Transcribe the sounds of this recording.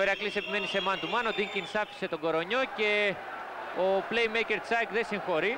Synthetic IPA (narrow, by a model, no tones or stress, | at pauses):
eɾiɐklise̞pime̞nise̞mɐnt̪umɐno̞d̪iŋcinsɐfi̥se̞t̪o̞ɡo̞ɾo̞ɲo̞ce̞ | oplejmejce̞ɾt͡sɐkðesiŋxo̞ɾi